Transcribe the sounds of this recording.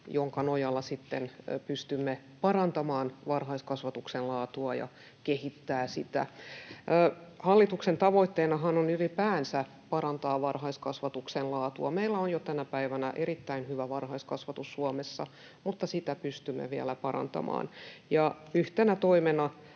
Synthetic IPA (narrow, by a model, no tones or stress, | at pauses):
joŋkɑnojɑlːɑsit̪ːenpyst̪ymːe | pɑrɑnt̪ɑmɑːnʋɑrɦɑiskɑsʋɑt̪uksellɑːt̪uɑjɑ̰ | kehit̪ːæːsit̪æ̰ː | hɑlːit̪uksent̪ɑʋoit̪ːeːnɑɦɑnonylipæːnsæ | pɑɾɑnt̪ɑːʋɑrhɑiskɑsʋɑt̪uksenlɑːt̪uɑmeilːæonjot̪ænæpæiʋænæʔeɾit̪ːæinhyʋæʋɑrhɑiskɑsʋɑt̪usːuɑmesːɑ | mut̪ːɑsit̪æpyst̪ymːḛʋiæ̰læpɑɾɑ̰nt̪ɑ̰mɑ̰ːnjɑ | yht̪enæt̪oimenɑ